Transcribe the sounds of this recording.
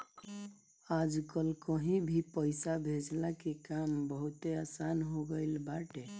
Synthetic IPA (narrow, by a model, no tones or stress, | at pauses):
ad͡ʒkəlkəɦĩbʱipəɪsabʱed͡ʒlakekambəɦut̪easanɦoɡəɪlbaʈe